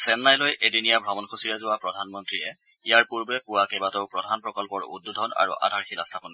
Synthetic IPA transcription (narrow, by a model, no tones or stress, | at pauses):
sɛnːajlojʔedinijabʱɹɔmɔnxʰosiɹazʊwapɹɔdʱanmɔntɹiɛ | ijaɹpuɹbɛpʊwakebatoʊpɹɔdʱanpɹɔkɔlpɔɹṵdːudʱɔna̰ɹṵʔa̰dʱaɹxila̰stʰapɔn